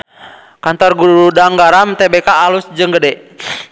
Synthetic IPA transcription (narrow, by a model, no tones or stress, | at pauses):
kant̪ɔrɡuɾudaŋɡaɾamt̪ɛbekaːlusd͡ʒɨŋɡədɛ